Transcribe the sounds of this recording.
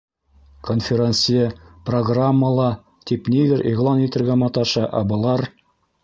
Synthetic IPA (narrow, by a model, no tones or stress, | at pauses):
konfʲɪɾʲensʲijəproɡramːəlˠɑ | t̪ipnid̪ɘɾʔiʁlˠɑnit̪ɘ̆ɾɡæmɑt̪ɑʃɑʔɑ̰bŏlˠɑɾ